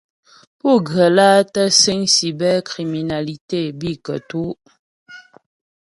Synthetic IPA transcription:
pu˦˨ɡɰə˨laː˦tə˦se˦ŋsi˨bɛ˦kʁi˨mi˨na˨li˨te˦˨bi˦˨kə˨tu˦

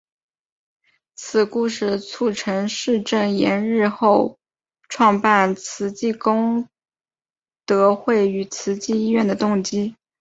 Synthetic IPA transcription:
t͡sʰɹ̩˨˩ku˥˧ʂɻ̩˥˩t͡sʰu˥˩ʈ͡ʂʰɤ˧˥ŋʂɻ̩˥˧ʈ͡ʂə˥˩ŋjɛ˧˥nɻɻ̩˥˧xo˥˧ʊ | ʈ͡ʂʰwɑ˥˧ŋpa˥˩nt͡sʰɹ̩˧˥t͡ɕi˥˩kʊ˥ŋ | t̪ɤ˧˥xwe˥˩ɪy˨˩t͡sʰɹ̩˧˥t͡ɕi˥˧i˥ɥɛ˥˩nd̪ə˩t̪ʊ˥˩ŋt͡ɕi˥

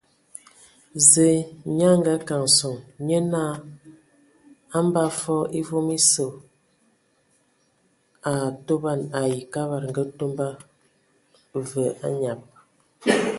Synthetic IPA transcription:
ze˨ɲa˦ŋ˦ɡa˦ka˨ŋso˨ŋɲə˦na˦˨ | a˦m˦ba˦fɔ˦e˦vo˦mi˦so˨ | a˨to˦ba˦˨na˨ji˨ka˦βa˨ɾŋ˨ɡə˦to˦mba˦ | və˨ʔa̰˦ɲa˨p̚

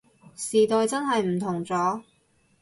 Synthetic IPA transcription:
siː˨t̪ɔː˧jt͡sɐ˥nɦɐ˨jm̩˨˩t̪ʰʊ˨˩ŋt͡sɔː˨˥

